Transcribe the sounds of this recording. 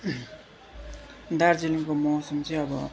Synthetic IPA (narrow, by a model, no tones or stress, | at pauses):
d̪aɾd͡zenukomʌsʌmt͡sʌj̃ʌbʌ